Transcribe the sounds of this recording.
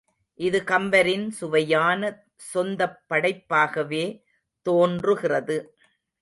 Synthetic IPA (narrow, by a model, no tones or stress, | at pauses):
ʔɪðɯkɐmbɐɾɪnsʊʋɐjaːnɐ | sɔnd̪ɐpːɐɽɐɪpːaːɣɐʋeː | t̪oːndrɯɣɪrɐðɯ